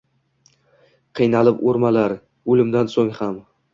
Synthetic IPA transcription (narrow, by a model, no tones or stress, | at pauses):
qʰɨjnalɪpoɾmalaɾ | ɵlɪmd̪ansoŋham